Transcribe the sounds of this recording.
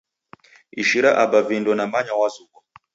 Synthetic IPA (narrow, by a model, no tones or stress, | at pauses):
iʃiɾaʔabavindɔnamaɲawazukɔ